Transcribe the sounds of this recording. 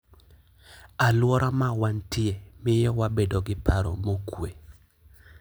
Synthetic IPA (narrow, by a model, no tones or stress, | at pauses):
alwɔɾamawantɪemɪjɛwabedoɡɪpaɾo̰mokwe